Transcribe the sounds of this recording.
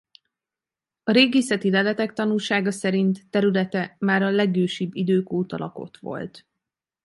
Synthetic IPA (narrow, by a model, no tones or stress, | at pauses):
ɒɾeːɡeːsɛt̪ilɛlɛt̪ɛk̚t̪ɒnulʃaːɡɒsɛɾint̪ːɛɾylɛt̪ɛmaːɾɒlɛɡøːʃibːid̪øːkoːt̪ɒlʔɒ̰ko̞̰t̪ʋo̞̰lt̪